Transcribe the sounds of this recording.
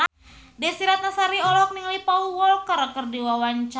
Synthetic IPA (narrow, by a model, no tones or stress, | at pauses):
dɛsiɾat̪̚nasaɾiɔlɔk̚niŋlipauwɔlkəɾkərdiwawaɲt͡ʃ